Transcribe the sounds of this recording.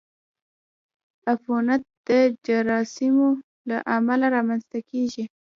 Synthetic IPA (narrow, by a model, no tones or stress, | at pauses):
afonat̪̚d̪̥əd͡ʒaɾɑsimo | laʔamalaɾɑmanzt̪akeʒi